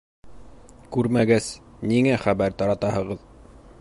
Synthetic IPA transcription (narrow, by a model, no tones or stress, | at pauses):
kʉɾmæɡæsniŋæχæbæɾt̪ɑɾɑt̪ɑhɤ̆ʁɤð